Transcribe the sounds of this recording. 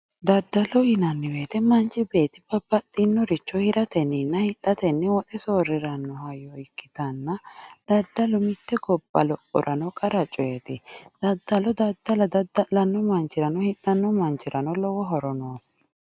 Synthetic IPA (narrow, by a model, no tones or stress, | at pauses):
d̪ɐɾd̪ːɐlɔɪnɐnːɪweːt̪ɛmɐnt͡ʃʼːɪbe̞ːt̪ɪbɐbːɐt̪ːɪnːɔɾɪt͡ʃːɔhɪɾɐt̪ɛnːɪnːɐhɪt̪ʼːɐt̪ɛnːɛwɔt̪ʼɛsoːɾɪɾɐnːɔhɐjɔɪkːɪt̪ɐnːɐd̪̥ɐd̪ːɐlɔmɪt̪ːɛɡɔbːɐ̰lɔpʼːɔ̰ɾɐnɔkʼɐɾɐt͡ʃʼɔjɛt̪ɪd̪̥ɐd̪ːɐlɔd̪ɐd̪ːɐlɐd̪ɐd̪ɐlɐnːɔmɐnt͡ʃʼːɪɾɐnɔhɪʔɐnːɔmɐnt͡ʃʼːɪɾɐnɔlɔwɔɦɔɾɔnoːs